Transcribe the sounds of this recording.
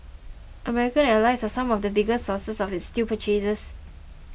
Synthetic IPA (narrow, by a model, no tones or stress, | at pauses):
ʔəmɛɹikə̃nɛlaɪsasãmɔfdəbiɡəssɔsəsɔfɪtstipət͡ʃezəs